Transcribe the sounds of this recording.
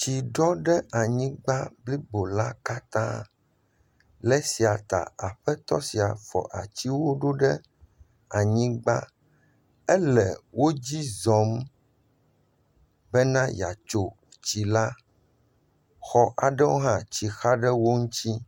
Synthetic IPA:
t͡ɕi˨ɖɔ˦ɖɛ˦a˨ɲĩ˦ɡ͡ba˦bli˦bo˨la˦ka˦t̪ã̰˦ | lɛ˦si˨a˨t̪a̰˨a˨ɸɛ˦t̪ɔ˦si˨a˨fɔ̰˨ʔa̰˨t͡ɕi˦wo˦ɖo˦ɖɛ˦ | a˨ɲĩ˦ɡ͡ba˦ | ɛ˦lɛ˨wʔo˦d͡ʑi˦zɔ̃˨˦m | bɛ˦nã˦ja̰˨t͡ʃo˨ | t͡ɕi˨la˦ | xɔ˦ʔa˨ɖɛ˦wo˦ɦã˦t͡ɕi˨xa˦ɖɛ˦wo˦ŋũ˦t͡ɕi˦

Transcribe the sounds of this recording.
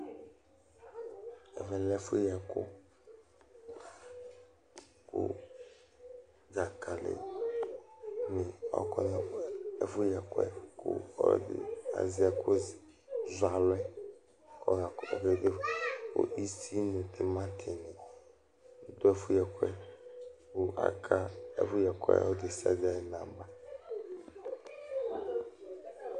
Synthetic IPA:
ɛ̰˨vɛ˨lɛ˦fu˦jɛ˨ko˦ | kṵ˦ | d͡za˨kʰa˨lɪ̰˨ | nɪ̃˨ɔ̰˦kɔ˦nɛ˨ɛ˨fʊ˦jɛ˨kʊ˦ɛ̰˦ku˦ɔ̰˦˨dɪ̰˨a̰˨zi˦a˨kʰo˦z | za˨lɛ˦ | ɔ̰˦ja˨ka˨kɛ˦˨dɪ˦kʊ̰˨i˦si˦nũ˨t̪ɪ˨mã˦t̪ʰɪ˨nɪ̃˨˦ | d̪ʊ˦ɛ˦fʊ˦jɛ˨kʷɛ˦ | kʊ˨a̰˨kʰa˦ɛ̰˦fʊ˦jɛ˨kwɛ̰˦˨ɔ˦dɪ˨si˦a̰˨zɪ˦a˨jɪ˨nã˨ba˦

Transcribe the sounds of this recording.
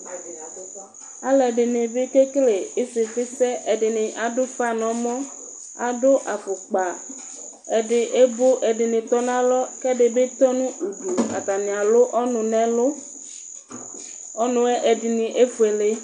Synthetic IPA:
a˨lɛ˨ɖɪ˨nɪ̃˨be˦ke˦kle˨e˦se˨fe˦sɛ˦ʔe˨ɖɪ˨nɪ̃˨ʔa˨do˦fa˦˨nɔ̃˨mɔ̃˦ | a˨do˦ʔa˨fo˨k͡pa˨ | e˨ɖɪ˨ʔe˦bo˦ʔe˨ɖɪ˨nɪ̃˨t̪ɔ˦nã˦lɔ˦kɛ˦ɖe˨be˦t̪ɔ˦nũ˦u˨du˨a̰˨t̪a˨nĩ˨a˨lo˦ʔɔ˦nũ˨nɛ̃˦lo˦ | ɔ˦nũ˨˦ɛ˦ʔe˨ɖɪ˨nĩ˨ʔe˦fu˨e˨le˦

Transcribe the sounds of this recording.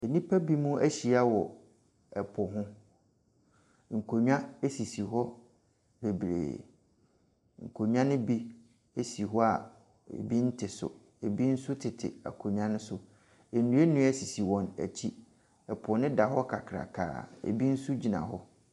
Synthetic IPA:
e˨nĩ˦pʰa˦bi˦mũ˦æ˦ɕi˨a˦wɔ˨ | ɛ˨pʰɔ˨ɦʊ̃˦ | ŋ̩˨kʰo˨ɲᶣ˦ã˦e˦si˨si˨ɦɔ˦ | be˨bɾḛː˨ | ŋ̩˨kʰo˨ɲᶣ˦ã˦nɪ̃˦bi˦ | e˦si˨ɦɔ˦a˨ | ḛ˨bi˦n̩˦tʰɪ˨sʊ̰˨ | e˨bi˦n̩˦sʊ˦tʰɪ˨tʰɪ̰˨a̰˨kʰo˨ɲᶣã˦nʊ̃˦sʊ˨ | e˨nũ˦e˦nũ˦ɛ˦si˨si˨wɔ̃˨næ̰˨t͡ɕʰi˦ | ɛ˨pʰɔ˨nɪ̃˦da˨ɦɔ˦kʰa˨kʰɾa̰˨kʰa̰ː˨ḛ˨bi˦n̩˦sʊ˦d͡ʑi˨nã̰˨ɦɔ˦

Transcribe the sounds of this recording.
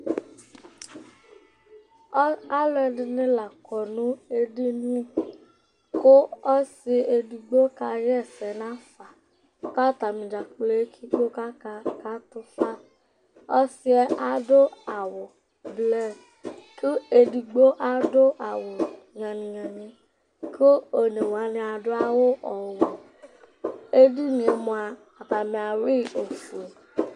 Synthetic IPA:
a˦lʊ˦ɛ˧dɪ˦˧nɪ̃˦la˨kɔ˨nʊ̃˦e˦dɪ˦ni˦ | kʊ˦ɔ˦sɪ˧e˧di˨ɡ͡bo˦ka˧jɛ˦˨sɛ˨na˦fa˨ | ka˦ta˨mɪ̃˨d͡ʒa˨k͡ple˦kʰi˦k͡po˦ka˦ka˨˦tʊ˦fa˦ | ɔ˦si˦ɛ˧ʔa˨dʊ˦a˨wʊ˨ | blɛ˦ | ki˦e˧di˧ɡ͡bo˦ʔa˦dʊ˦ʔa˨wʊ˨ | ŋã˨nĩ˨ŋã˨nĩ˧ | kʰo˦o˨ne˨wa˨˦nĩ˧a˧dʊ˦a˦wʊ˦ʔɔ˨wo˨ | e˦di˦nĩ˧e˧mʊ̃˧aː˧˨ | ta˨mĩ˧a˨ɾi˦˨o˨fu˨e˨

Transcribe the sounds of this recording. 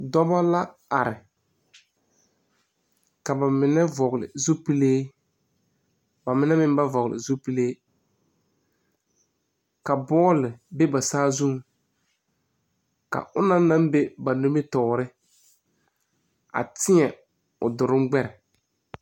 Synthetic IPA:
dɔ˦ba˦la˦ | a˨ɾɪ˨ | ka˨ba˨mɪ˨nɛ˦vɔ˨ɣlɪ̰˨zo˦pi˦leː˦ | ba˨mɪ˨˦nɛ˦mɪ˦m˦ba˦vɔ˨ɣlɪ̰˨zo˦pi˦leː˦ | ka˨bɔː˦lɪ˨be˦ba˨saː˦zu˦m˨ | ka̰˨ʔʊ˦na˦na˦mbe˦ba˨no˦me˦tɔ˨ɾɪ˦ | a̰˨tɪ˦ɛ˨ | ʊ˨dʊ˨ɾɪ˦mɡ͡bɛ˦ɾɪ˨

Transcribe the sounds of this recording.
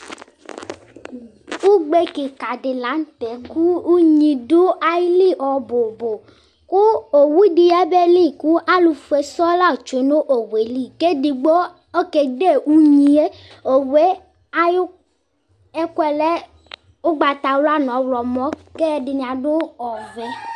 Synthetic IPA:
u˦ɡ͡be˦ki˨ka˨dɪ˨la˨˦n̩˦tɛ˨˦ku˦u˦ɲĩ˧do˦a˨ji˦li˦˨ʔɔ˨bo˨bo˨ | ku˦o˨wu˦di˧jɛ˦bɛ˦li˦˨ku˦ʔa˦lu˧fu˨e˨sɔ˦la˦˨t͡ʃo˨˦no˦ʔo˨we˨˦li˦˨ke˦di˧ɡ͡bo˦ | ɔ˦ke˨de˦˨u˦ɲĩ˨˦e˦o˨we˨˦ | a˦jo˦ | ɛ˦kʷɛ˨lɛ˦ | o˦ɡ͡ba˨t̪a˨wla˦nɔ̃˨˦wlɔ˨mɔ̃˦kɛ˦dɪ˨nĩ˨a˨do˦ɔ˨vɛ˨˦

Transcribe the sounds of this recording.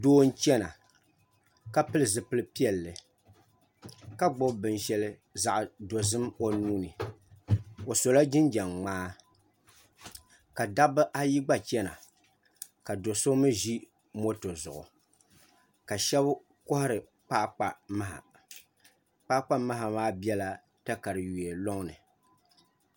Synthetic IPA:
doː˦n̩˦t͡ʃɛ˦na̰˨ | ka˦pɨ˦lɨ˨zɨ˨pɨ˦lɨ˦pi˦ɛ˨lːɨ˨ | ka˦ɡ͡bʊ˦bbɨ˨nʃɛ˦lɨ˦ | za˨ʔdo˨zɨ˦mo˦nuː˦nɨ˨ | o˨so˨la˦d͡ʒɪ˦nd͡ʒɛ˨ŋŋ͡maː˦ | ka˨da˦bɨ˦ʔa˦ji˦ɡ͡ba˦t͡ʃɛ˦na̰˨ | ka˨do˨so˦mɨ˦ʒi˦ | mo˦to˨zʊ˨ʔʊ̰˨ | ka˨ʃɛ˦b | kʊ˦hʊ˦ɾɨ˨ | k͡pa˦ʔk͡pa˨ma˦ɦa̰˨ | k͡pa˦k͡pa˦ma˦ɦa˨maː˦bi˦ɛ˦la˨ | ta˦ka˨ɾɨ˨ju˨e˨lo˦ŋnɨ˨

